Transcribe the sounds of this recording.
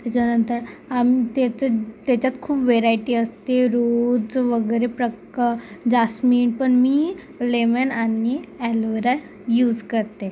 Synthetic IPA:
t̪at͡ɕanənt̪əɾamiːt̪et͡sət̪at͡ɕat̪kʰuːpʋeɾaiʈiːəst̪eɾod͡zʋəɡəɾepɾək | ad͡ʑasmiːɳpəɳmiː | lemenanːiːælʋəɾa | juːd͡zkəɾt̪e

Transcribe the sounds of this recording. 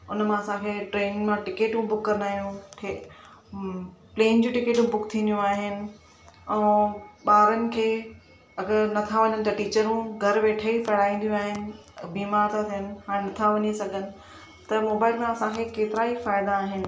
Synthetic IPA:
ʊnmãɐsãkʰeːʈɾeːnmãʈɪkeːʈũbʊkːɐɾnaːɦjũ | pleːnd͡ʑũːʈɪkeːʈũbʊkt̪ʰĩːnd̪ijũaːɦɪnɪ̆ | ɛ̃ːɓaːɾənɪ̆kʰeː | ɐɡəɾnɐt̪ʰaʋɐɲənɪ̆t̪ɐʈiːt͡ɕəɾũɡʱɐɾʋeːʈʰəipɐɽaːĩːn̆d̪ijũaːɦɪnɪ̆ | biːmaːɾt̪ʰat̪ʰijənɪ̆ɦaːɾẽnɐt̪ʰaʋɐɲesɐɡʱənɪ̆ | t̪ɐmoːbaːɪlmãɐsãkʰekeːt̪ɪɾaifaːɪd̪aːɦɪnɪ̆

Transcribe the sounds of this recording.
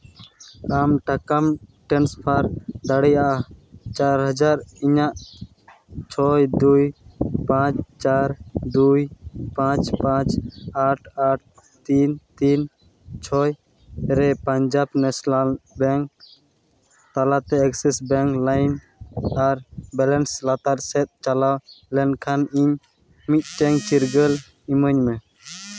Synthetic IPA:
amʈakamʈɛnspʰaɾd̪aɽɛjaʔat͡ʃaɾɦəd͡ʒaɾiɲaʔ | t͡ʃʰɔjd̪ujpãt͡ʃt͡ʃaɾd̪ujpãt͡ʃpãt͡ʃaʈʰaʈ̚ʰ | t̪int̪in | t͡ʃʰɔj | ɾɛpaɲd͡ʒabnɛsalbɛŋk | t̪alat̪ɛɛksisbɛŋklajn | aɾbɛlɛnslat̪aɾsɛt̪̚t͡ʃalawlɛnkʰaniɲ | mit̪̚ˀʈɛŋt͡ʃiɾɡəl | iməɲmɛ

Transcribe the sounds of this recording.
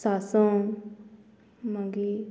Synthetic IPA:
saːsõ | mãɡi

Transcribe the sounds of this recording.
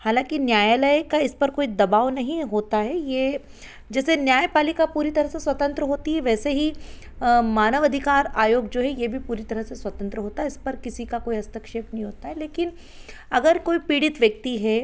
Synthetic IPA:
haːlãːkinjaːjaːləjkaɪspɐɾkoːid̪ɐbaːʋnɐɦĩɦoːt̪aɦɛje | d͡ʒɛːsenjaːjpaːlikapuːɾit̪ɐɾəɦseswɐt̪ə̃nt̪ɾəɦoːt̪iɦɛʋɛːseɦi | maːnəʋɐd̪ʱɪkaːɾaːjoːɡd͡ʒoːɦɛjebʱipuːɾit̪ɐɾəɦseswɐt̪ə̃nt̪ɾəɦoːt̪aɦɛɪspɐɾkɪsikakoːiɐst̪əkʃeːpnɐɦĩɦoːt̪aɦɛleːkɪn | ɐɡəɾkoːipiːɽɪt̪ʋjɐk̚t̪iɦɛː

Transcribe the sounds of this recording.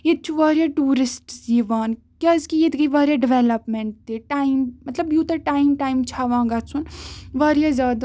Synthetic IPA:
jet̪̚t͡ʃʰuʋaːɾjaːʈuːɾɪsʈsd͡ʒiʋaːn | kjaːzkijet̪ɡɐiʋaːɾjaɖɪʋɛlɐpmeɳʈ̚t̪eʈaːimmɐt̪lɐbjuːt̪ɐʈaːimʈaːimt͡ʃʰaːʋãːɡat͡sʰunʋaːɾjaːzʲaːd̪

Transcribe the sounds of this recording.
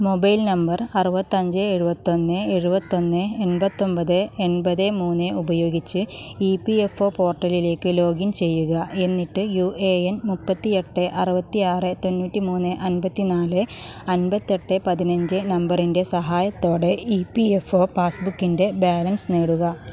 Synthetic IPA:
mo̞bɐjlnɐmbɐrɐrubɐt̪ːɐɲd͡ʑɨeɻubɐt̪ːo̞nːɨeɻubɐt̪ːo̞nːɨenbɐt̪ːo̞mbɐðɨe̞nbɐðɨmuːnːɨubɐjo̞ːɡit͡ɕːɨipːiefo̞ːpo̞ːrʈːɐlile̞ːkːɨlo̞ːɡint͡ɕe̞jːuɣɐe̞nːiʈːɨjueːenmupːɐt̪ːie̞ʈːɨʔɐrubɐt̪ːiaːrɨt̪o̞nːuːtːimuːnːɨʔɐnbɐt̪ːinaːlɨɐnbɐt̪ːie̞ʈːɨpɐðinɐɲd͡ʑɨnɐmbɐrinde̞sɐɦaːjɐt̪ːo̞ːɽe̞ipiefo̞ːpaːsbukːinde̞baːlɐnsneːɽuɣɐ

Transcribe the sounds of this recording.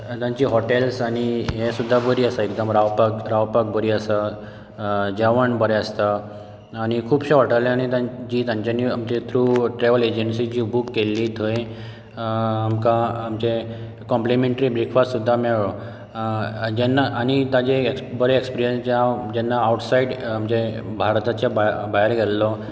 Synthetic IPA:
t̪jãɲt͡ɕiːɦɔʈelsaɽ̃iɦesud̪ʱːabəɾiːəsaek̚d̪əmɾaʋpakɾaʋpak̚bəɾiːəsə | d͡ʑaʋəɳbəɾeəst̪aː | ɽ̃ikʰuːbɕeʋaʈəlañit̪ãt͡ɕiːt̪ãɲt͡ɕanːiamt͡ɕet̪ʰɾuːʈɾeʋəled͡ʑənsid͡ʑiːbukːelːit̪ʰəj | amkãːmd͡ʑe | kɔ̃mplimeɳʈɾibɾikʰʋasud̪ʱːamɛɭɔ | d͡ʑɛnːaʔaɽ̃it̪ãd͡ʑeekbəɾeekspiɾijənsd͡ʑaad͡ʑɛnːaːwʈsaiɖamd͡ʑe | bʱaɾt̪at͡ɕjababaɦeɾɡʱɛllɔ

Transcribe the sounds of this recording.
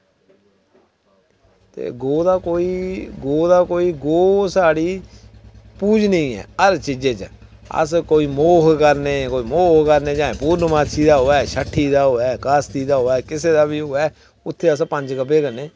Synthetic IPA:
t̪ḛːɡoːd̪aːkoːiːɡoːd̪aːkoːiːɡoːsaːɽiː | puːd͡ʒnĩːɛ̰ːəɾt͡ʃid͡ʒeːt͡ʃə | ə̰skoːiːmoːkkəɾneːkoːiːmoːkkəɾneːd͡ʒãːẽːpuːɾnmaːt͡ʃʰiːd̪aːɦoːɛːʃəʈʰːiːd̪aːɦoːɛːkaːst̪iːd̪aːɦoːɛːkɪseːd̪aːbiːɦoːɛː | ʊt̪ʰːeːəspə̃ɲd͡ʒkəp̬eːkəɾneː

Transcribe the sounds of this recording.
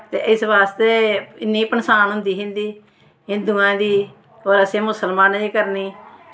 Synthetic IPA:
t̪ḛːʔɪsbaːst̪eːɪnːĩːpənsaːnɦʊ̃nd̪iːɦɪ̃nd̪iː | ɪnd̪ʊãːd̪iː | oːɾəsẽːmʊsəlmãːniːkəɾniː

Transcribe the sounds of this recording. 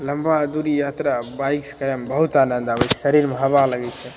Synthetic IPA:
lɐmbad̪uɾijat̪ɾabajkskəɾambəɦut̪aːnənd̪abət͡ʃʰsəɾiɾmeɦɐbaləɡɛt͡ʃʰɛ

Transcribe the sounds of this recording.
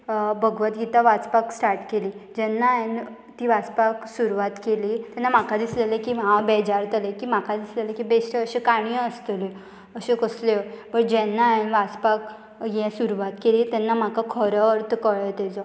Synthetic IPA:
bəɡʋət̪ɡit̪aʋat͡spaksʈaɾʈkeliːd͡ʑɛnːan | t̪iːʋat͡spaksuɾuʋat̪keliːt̪ɛnːam̤akad̪islelekiɦãbɛd͡ʑaɾt̪əlekim̤akʰad̪islelẽkibesʈ̪eəɕekaɳ̃iəst̪li | əɕẽkəslebəɽd͡ʑɛnːanʋat͡spak | jɛ̃suɾuʋat̪keliːt̪ɛnːam̤akakʰɔɾəəɾt̪kəɭət̪ɛt͡sɔ

